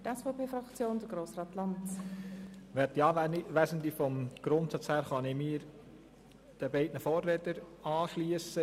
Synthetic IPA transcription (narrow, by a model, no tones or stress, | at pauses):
tɛsfoʊpʰeːfʁɑkt͡sjoːnd̥̪əɡɾoːsrɑːtlɑnt | ʋɛt̚tːiɑːʋæsənt̪ifɔmɡ̥ɾʊnt̪sɑt͡shæːɾχɑnɪmiːɾ | d̥əbɛɪdnəfoːrːɛtəɾɑːʃliəsə